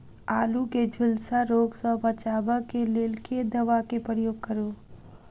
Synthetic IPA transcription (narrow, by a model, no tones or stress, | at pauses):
aːluked͡ʒʱʊlsaɾoːɡsəbət͡ʃaːbakeleːlked̪ɐʋakepɾəjoːɡ̚kəɾo